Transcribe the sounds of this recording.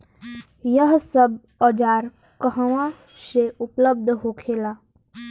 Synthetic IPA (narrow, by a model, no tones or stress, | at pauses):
jəɦsəb | ɔd͡ʒaːɾ | kəɦəʋã | ʃeʊpləb̚d̪ʱɦoːkʰeːlaː